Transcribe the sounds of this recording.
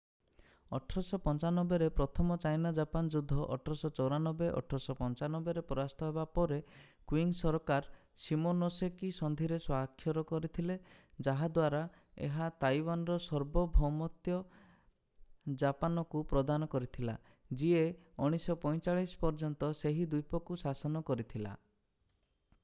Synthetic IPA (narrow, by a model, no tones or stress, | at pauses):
ɔʈʰɾɔsɔpɔnt͡ʃanɔbeɾepɾɔt̪ʰɔmɔt͡ʃajnad͡ʒapand͡ʒud̪ʱːɔʔɔ̰ʈʰɔɾɔsɔt͡ʃɔwɾanɔbeʔɔ̰ʈʰɔɾɔsɔpɔnt͡ʃanɔbeɾepɔɾast̪ʰɔɦebapɔɾe | kwiŋsɔɾɔkaɾ | simonosekisɔnd̪ʱiɾeswakʰːjɔɾɔkɔɾit̪ʰiled͡ʒaɦad̪waɾa | ḛɦat̪ajwanɔɾɔsɔɾbɔbʱɔmɔt̪jɔ | d͡ʒapanɔkupɾɔd̪anɔkɔɾit̪ʰila̰ | d͡ʒie | ɔɽ̃isɔpɔj̃t͡ʃaɭisɔ̥pɔɾd͡ʒɔnt̪ɔseɦid̪ujpɔkusasɔnɔkɔɾit̪ʰila̰